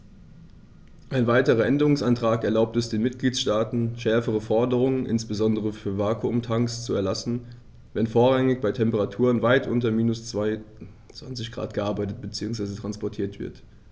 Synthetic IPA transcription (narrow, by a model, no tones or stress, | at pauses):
ʔaɪnvaɪtəʁ̞ɐʔɛndəʁʊŋsʔantʁ̥aːkɛɐlaʊp̚tɛsd̥eːnmɪt̚ɡ̥liːtsʃtaːtn̩ʃɛɐfəʁ̞əfɔɐdəʁ̞ʊŋənʔɪ̰nsb̥əzɔndəʁ̞əfyːɐvaːkʰuʊmtʰaŋkst͡suɛɐlasn̩ | vɛnfoːɐʁaŋɪçb̥aɪtʰɛmpəʁatʰuːʁənvaɪtʔʊ̰ntɐmiːnʊst͡svaɪ | t͡sv̥ant͡sɪçɡ̥ʁa̰ːtɡ̥əʔaɐbaɪtət̚b̥ət͡siːʊŋsv̥aɪzətʁ̥anspɔɐtʰiːɐtv̥ɪ̰ɐt